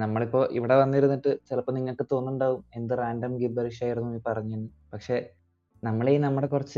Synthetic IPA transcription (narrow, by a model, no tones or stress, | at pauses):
nɐmːɐɭipːo̞ːʔḭʋiɽe̞ʋɐnːiɾunːiʈːɨt͡ɕilɐpːoniŋːɐɭkɨt̪o̞ːnːuɳɖaːʋume̞nd̪ɨraːndɐmɡibɐɾiʂaːjiɾunːumiːpɐrɐɲːueɳːɖɨ | pɐkʂe̞ | nɐmːɐɭejinɐmːuɽe̞kurɐt͡ɕːɨ